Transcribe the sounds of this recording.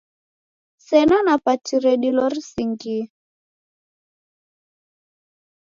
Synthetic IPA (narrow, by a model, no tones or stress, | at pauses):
sɛnanapatiɾɛɗilɔrisiŋɡi